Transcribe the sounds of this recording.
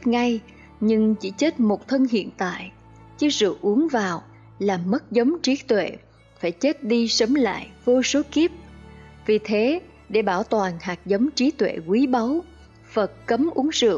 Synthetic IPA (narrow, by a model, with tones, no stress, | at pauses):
ŋa˧j | ɲɨ˧ŋt͡ɕi˧˩t͡ɕe˦˥t̚mo˨˩t̚t̪ʰə˧nhḭ˧˨ənt̪a̰ː˧˨j | t͡ɕɨ˧zɨ̰˧˨ʔu˨˦əŋvaː˨˩w | laː˨˩mə˦˥t̚zə˨˦wŋ͡mt͡ɕi˨˦t̪wḛ˧˨ | faː˧˩jt͡ɕe˦˥t̚ɗi˧sə˨˦ŋ͡mla̰ː˧˨jvo˧so˨˦ki˦˥əp̚ | vi˨˩t̪ʰe˨˦ | ɗe˧˩ɓaː˧˩wt̪waː˨˩nhaː˨˩k̚zə˨˦wŋ͡mt͡ɕi˨˦t̪wḛ˧˨kwi˨˦ɓa˨˦w | fə˨˩t̚kə˨˦mʔu˨˦əŋzɨ̰˧˨əŋ